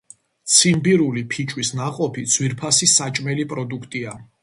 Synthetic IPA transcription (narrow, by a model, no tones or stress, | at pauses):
t̪sʰimbiɾulipʰit͡ʃʼwisnaqʼɔpʰid̪z̥wiɾpʰasisat͡ʃʼmɛlipʼɾɔd̪ukʰt̪ʼia